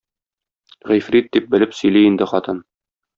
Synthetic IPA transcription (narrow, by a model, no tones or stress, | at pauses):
ʁijfɾit̪̚d̪ip̚bɘ̆lɘpsɵ̆jliind̪ɘχɒt̪ɤn